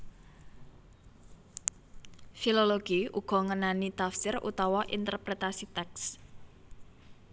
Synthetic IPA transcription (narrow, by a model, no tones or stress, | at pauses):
filoloɡ̥iuɡ̥ɔ̤ŋənanit̪afsɪrṵt̪ɔwɔʔint̪ərpɾet̪asit̪ɛks